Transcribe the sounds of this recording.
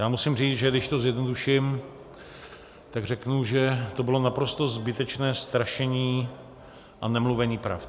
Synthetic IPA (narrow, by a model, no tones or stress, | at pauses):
jaːmusɪmriːt͡sʒɛdɪʃt̪o̞zjɛdnoduʃɪm | t̪aɡr̝ɛknuʒɛt̪o̞bɪlo̞napɾo̞st̪o̞zbɪt̪ɛt͡ʃnɛːst̪ɾaʃɛɲiː | ʔanɛmluvɛɲiːpɾa̰f